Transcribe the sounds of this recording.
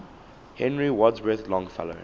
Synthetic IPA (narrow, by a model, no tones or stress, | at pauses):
hɛ̃nɹiwɔdzwɛθlɔ̃ŋfɛ̰lo̰